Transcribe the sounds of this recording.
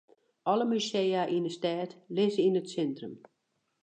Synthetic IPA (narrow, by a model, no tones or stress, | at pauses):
ʔɔləmysejaʔinəstɛːtlɪzəinətsɛntrəm